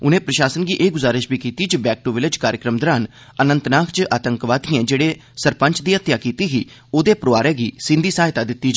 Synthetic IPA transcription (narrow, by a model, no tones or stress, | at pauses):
ʊnẽːpɾəʃaːsənɡiːʔeːɡʊzaːɾɪʃbiːkiːt̪iːt͡ʃbɛːk̚ʈoːʋɪlɪd͡ʒkaːɾjəkɾəmd̪ɾaːn | ənə̃nt̪naːkʰt͡ʃʔaːt̪əŋkʋaːt̪iɛ̃ːd͡ʒeːɽeːsəɾpəɲt͡ʃd̪iːət̪jaːkiːt̪iːɦiː | oːd̪eːpɾoːaːɾɛːɡiːsɪ̃nd̪iːsaːɦɪt̪aːd̪ɪt̪ːiːt͡ʃ